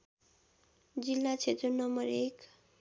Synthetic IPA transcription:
d͡zilːat͡sʰet̪ɾonʌmʌɾek

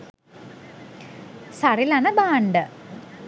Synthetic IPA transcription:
sɐrilɐnɐbaːɳɖɨ

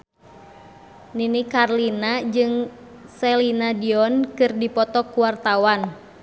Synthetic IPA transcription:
ninikarlinad͡ʒɨŋ | sɛlinadiɔnkɨrdipɔt̪ɔkuwart̪awan

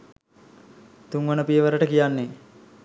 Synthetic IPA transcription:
t̪uŋʋənəpijəʋəɾəʈəkijanːe

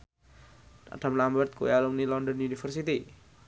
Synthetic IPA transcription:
a̰ɖ̥a̤mlambərt̪̚kuealumnilɔnd̪ɔnjunifərsit̪i

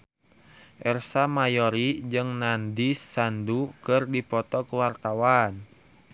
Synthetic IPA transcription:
ʔɛrsamajɔɾid͡ʒɨŋnandisandukɨrdipɔt̪ɔkəwart̪awan

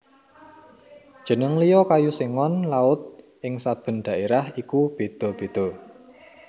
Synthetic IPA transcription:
d̥ʒ̥ə̤nəŋlijɔkajuseŋɔnlaʊt̪̚ | ʔɪŋsab̥ə̤nɖ̪̥a̤ʔeɾahikub̥e̤d̪̥ɔ̤b̥e̤d̪̥ɔ̤

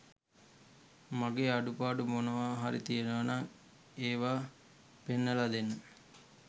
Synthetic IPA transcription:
maɡeːaɖupaːɖumonəʋaːɦaɾḭt̪ijenəʋɐnaŋ | eːʋaː | penːəlad̪enːə

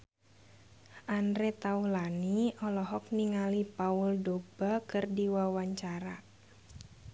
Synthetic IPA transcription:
ʔandɾet̪aulaniɔlɔɦɔk̚niŋalipaʊldob̥akɨrdiwawaɲt͡ʃaɾa

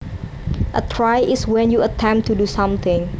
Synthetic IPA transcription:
ʔə̰tʰɹajʔɪswɛ̃njuətʰɛ̃mp̚t̪ʰːudusʌ̃mt̪ɪ̃ŋ

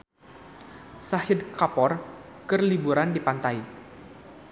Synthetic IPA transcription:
sahɪd̪kapɔrkərlibuɾandipant̪aj

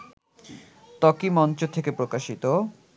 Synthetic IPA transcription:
t̪ɔkimɔnt͡ɕot̪ʰekepɾokaʃit̪o

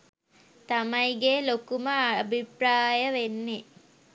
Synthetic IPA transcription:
t̪amɐjɡeːlokuməabʱipɾaːjəʋenːe

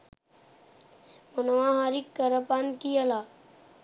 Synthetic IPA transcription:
mənwãɦaːɾikːəɾəpaːnkiəlaː

